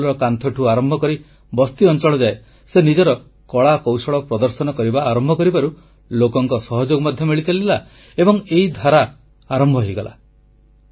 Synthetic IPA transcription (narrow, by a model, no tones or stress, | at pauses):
lɔɾɔkant̪ʰɔʈʰuaɾɔmbʱɔkɔɾi | bɔst̪iɔnt͡ʃɔɭɔd͡ʒae | senid͡ʒɔɾɔ | kɔɭakɔwsɔɭɔpɾɔd̪ɔɾsɔnɔkɔɾibaːɾɔmbʱɔkɔɾibaɾu | lokɔŋkɔsɔɦɔd͡ʒoɡɔmɔd̪ʱjɔmiɭit͡ʃalila | ebɔŋeɦid̪ʱaɾaː | ɾɔmbʱɔɦejɡɔlʔa̰